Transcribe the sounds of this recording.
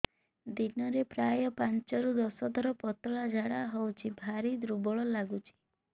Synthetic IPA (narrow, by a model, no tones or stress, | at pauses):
d̪inɔɾepɾajɔpant͡ʃɔɾud̪ɔsɔd̪ʱɔɾɔpɔt̪ɔɭad͡ʒʱaɽaɦɔwt͡ʃʰibʱaɾid̪ɾubɔɭɔlaɡut͡ʃʰi̥